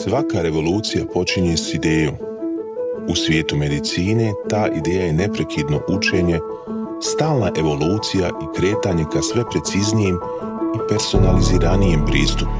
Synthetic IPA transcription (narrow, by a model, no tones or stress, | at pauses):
sʋakaɾe̞ʋo̞luːt̪sijapo̞t͡ʃiɲe̞sid̪e̞ːjoːm | usʋʲje̞ːt̪ume̞d̪it̪siːne̞t̪aːʔid̪e̞ːjaje̞ne̞pɾe̞kʰid̪no̞ʔut͡ʃe̞ɲe̞ | st̪aːlˠnaʔe̞ʋo̞luːt̪sijaʔikɾe̞ːt̪aːɲe̞kasʋe̞pɾe̞t̪siznijem | ipe̞ɾso̞naliziːɾanijempɾiːst̪up